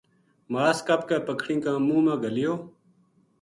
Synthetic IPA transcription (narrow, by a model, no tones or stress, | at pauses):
maːskapkaːpəkʰɽĩːkãːmũːmãːɡəlijoː